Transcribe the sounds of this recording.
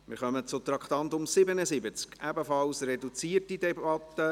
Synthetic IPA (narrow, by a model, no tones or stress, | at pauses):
mɪ̰ɾχœmət͡sʊt̪ɾɑkʰt̪ɑnt̪ʊmsɪbənəsɪbət͡skæbəfɑlsrɛdut͡siːərtidɛbɑt̪ːə